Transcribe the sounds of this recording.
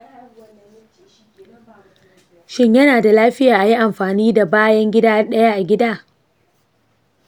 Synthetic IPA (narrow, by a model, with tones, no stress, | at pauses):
ʃɪ˦ɲjɐ˦naː˨da˨laː˦ɸɪ˦jaː˨ʔa˨ji˦ʔa˨mɸaː˨niː˦da˨baː˦jɐ˦ŋɡʲɪ˦daː˦ɗɐ˦ja˦ʔa˨ɡʲɪ˦daː˦˨